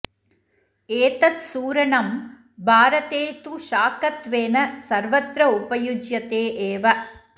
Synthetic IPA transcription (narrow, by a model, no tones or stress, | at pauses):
eːt̪ɐt̪suːɾɐɳɐm | bʱaːɾɐt̪eːt̪uʃaːkɐt̪ʋeːnɐsɐɾʋɐt̪ɾɐupɐjud͡ʒjɐt̪eːʔeːʋɐ